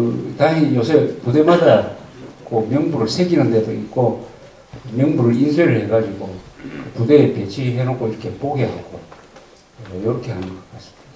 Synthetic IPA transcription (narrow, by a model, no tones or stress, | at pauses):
ɯtaijosʰepudemadakɯmjʌŋbuɾɯɭsʰeɡinɯndedoik̚k͈o | mjʌŋbuɾɯɭinsʰeɾɯɭheɡad͡ʑiɡokɯpude̞ːpet͡ɕʰiɦenok͈ʰoiɾʌkʰe̞poɡeaok͈ʰo | jʌɾʌkʰe̞hanɯɡʌk͈as͈ɯ̥mida